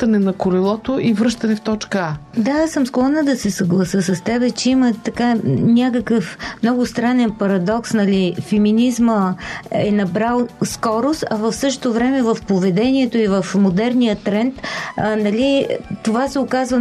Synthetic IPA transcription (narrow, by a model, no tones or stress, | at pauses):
t̪ɐnɛnɐkʊɾilˠɔt̪oʔivɾɤʃt̪ɐnɛft̪ɔt͡ʃkəad̪asɤmsklˠɔnəd̪ɐsɛsɐɡlˠɐsəsɐst̪ɛbɛt͡ʃɛimət̪ɐkanʲakəkəfmnɔɡʊst̪ɾanɛnpɐɾɐd̪ɔksnɐlifɛminizməɛnɐbɾalˠskɔɾost̪ɐvəfsɤʃt̪ovɾɛmɛvəfpovɛd̪ɛniɛt̪oivəfmod̪ɛɾnijət̪ɾɛnt̪nɐlit̪ovasɛokazvə